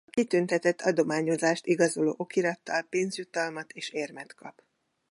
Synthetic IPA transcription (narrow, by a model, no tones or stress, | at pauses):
ɒkit̪ynt̪ɛt̪ɛt̪ʰːɒd̪o̞maːɲo̞zaːʃt̪iɡɒzo̞lo̰ːʔo̞kiɾɒt̪ːɒlpeːnzjut̪ɒlmɒt̪eːʃeːrmɛt̪kɒ̰p